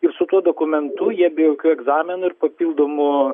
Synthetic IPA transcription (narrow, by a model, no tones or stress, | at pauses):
ɪɾsʊt̪uɔd̪oːkʊmʲɛnt̪ʊjiɛbʲɛjoːkʲuːɛɡzɑːmʲɪnʊɪɾpɐpʲiːlˠd̪oːmʊ